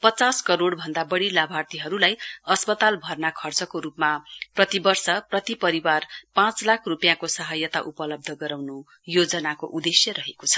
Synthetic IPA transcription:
pʌt͡saskʌɾoɽbʱʌnd̪abʌɽilabʱart̪iɦʌɾulajʌspʌt̪albʱʌrnakʰʌrt͡sʌkoɾupmaprʌt̪ibʌrsʌprʌt̪ipʌɾiwarpãt͡slakʰrupjãkosʌɦʌjʌt̪aʔupʌlʌb̚d̪ʱʌɡʌɾawnu | jod͡zʌnakoʔud̪esjʌɾʌɦekot͡sʰʌ̥

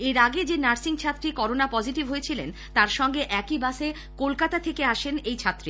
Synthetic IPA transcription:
eɾaɡed͡ʑenaɾsiŋt͡ɕʰat̪ːɾikɔɾonapɔd͡ʑiʈibɦojet͡ɕʰilen | t̪aɾʃɔŋɡeʔɛkibaʃe | kolkat̪at̪ʰekeaʃenejt͡ɕʰat̪ːɾi

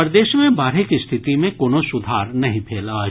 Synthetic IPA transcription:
ɐɾd̪eːʃmẽbaːɾɦɪkist̪ʰɪt̪imẽkoːnosʊd̪ʱaːɾnɐɦĩpʰeːla

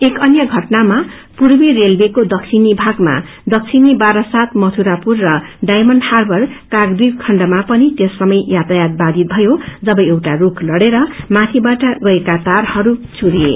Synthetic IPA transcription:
ekʌnjʌɡʱʌʈnama | purbirelbekod̪ʌkt͡sʰinibʱaɡma̰ | d̪ʌk̚t͡sʰinibaɾʌsat̪mʌt̪ʰuɾapurːʌɖajmʌnɖharbʱʌrkaɡd̪irkʰʌɳɖʌmapʌnit̪esrʌmʌjjat̪ajad̪̚bad̪it̪̚bʱʌjod͡zʌbʌjewʈarukʰlʌɽeɾʌmat̪ʰibaʈʌɡʌekat̪arhʌɾut͡sʰuɾiḛ

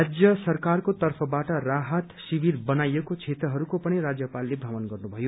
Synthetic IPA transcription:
ad͡zjʌsʌrkarkot̪ʌrpʰʌbaʈʌɾaɦʌt̪sibiɾbʌnajekot͡sʰet̪ɾʌɦʌɾukopʌɽ̃iɾad͡zjʌpalːebʱaʋʌnɡʌrnubʱʌjo

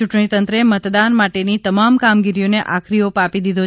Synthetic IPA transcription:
uʈɳit̪ənt̪ɾəemət̪d̪anmaʈenit̪əmamkamɡiɾijoneʔakʰɾiopapid̪id̪ʱo

